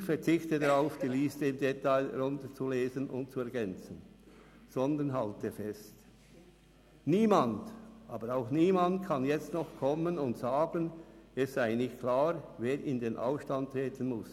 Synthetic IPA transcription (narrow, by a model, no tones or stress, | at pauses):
çfɛɐt͡sɪçtədaʁaʊfd̥iːlɪstəɪmdetaɪɾʊntət͡suleːzənʔʊ̰nt̚t͡suɛɐɡɛnt͡sən | z̥ɔndənɦaltəfɛst | niːmandʔaːbəɾaʊxniːmantkʰanjɛt͡stnɔχkʰɔmənʊntz̥aːɡənɛsz̥aɪnɪçtkʰl̥aːʁveːɾɪndeːnʔa̰ʊfʃtant̚tʁeːtʰənmʊs